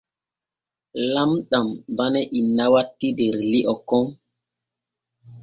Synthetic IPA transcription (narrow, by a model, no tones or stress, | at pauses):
lamɗambanɛʔinːawatːiɗeɾliʔɔkɔŋ